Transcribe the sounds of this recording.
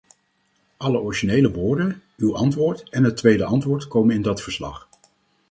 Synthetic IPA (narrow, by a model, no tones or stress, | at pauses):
ʔɑləʔɔɹiʒinejləʋʊːɹdənywʔɑntʋʊːɹtɛnɦətʋejdəʔɑntʋʊːɹtkowmənɪndɑtfəɹslɑ̰χ